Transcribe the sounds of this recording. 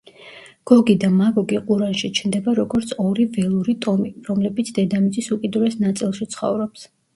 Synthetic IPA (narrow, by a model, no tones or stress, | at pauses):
ɡ̥ɔɡid̪amaɡɔɡiqʼuɾanʃit͡ʃʰnd̪ɛbaɾɔɡɔɾt̪sʰɔɾivɛlˠuɾit̪ʼɔmiɾɔmlɛbit̪sʰd̪ɛd̪amit̪sʼisukʼid̪uɾɛsnat̪sʼilˠʃit̪sʰχɔ̰vɾɔps